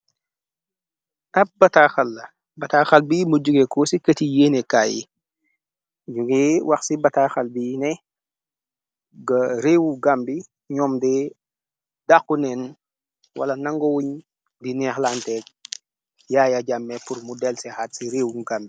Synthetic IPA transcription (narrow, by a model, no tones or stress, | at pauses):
ʔɐp̚bɐtaxɐlːɐ | bɐtaxɐlbiːmuɟuɡekɔsikətijeːnɛka̰ːjḭ | d͡ʒuɡɛwaxsibɐtaxɐlbinɛ | ɡɐɾewuɡambi | ɲɔːmdɛː | dakːunɛn | wʔɐ̰lɐnɐŋɡɔwuɲ | dinɛxlantɛːk̚ | jaːjaɟamːɛpuɾmudɛlsɛxatsiɾeːwuɡambi